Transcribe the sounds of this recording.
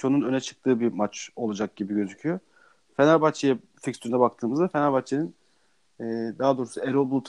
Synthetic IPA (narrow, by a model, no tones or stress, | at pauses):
o̞nunø̞nɛt͡ʃʰɯ̥k̚t̪ʰɯːbimat͡ʃo̞lˠad͡ʒak̚ɟibiɟø̞zycʰyjo | fenaɾbat͡ʃʰejɛ | ficst̪ynɛbak̚t̪ʰɯːmɯzd̪afenaɾbat͡ʃʰeninː | d̪aɦad̪o̞ːɾusueɾobulˠut̪ʰ